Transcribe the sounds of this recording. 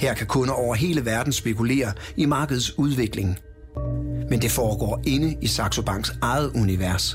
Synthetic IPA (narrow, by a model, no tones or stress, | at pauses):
hɛɐkʰækʰɔ̽nəɒʊ̰ɐɦe̝ːləʋæɐd̥n̩sb̥e̝kʰule̝̰ːɐimɑ̈ːɡ̥əð̞ˠsuð̞ˠʋe̝ɡ̥le̝ŋ | mend̥e̝fɒːɡ̥ɒ̰ːe̝nəisɑ̈ɡ̥sob̥ɑ̈ŋ̰ɡ̥sɑ̈ɪð̞̩ˠuniʋæɐs